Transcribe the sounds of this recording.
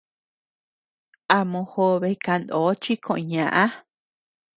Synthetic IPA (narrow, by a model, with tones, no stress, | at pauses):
a˧mõ˧ho˧βe˧ka˧nd̪oː˨˦t͡ʃi˦kõ˧˨ʔɲã˨ʔã˦